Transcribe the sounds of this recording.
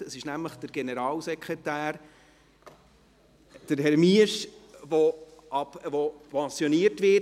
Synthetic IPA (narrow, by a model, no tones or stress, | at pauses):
əsɪʃnæmləχd̥əɾɡ̥enəɾɑːlsɛkχʁetæːɾ | d̥əɾɦɛɾmiəʃvoɑpvopʰɑ̃sjoniəɾtʋɪ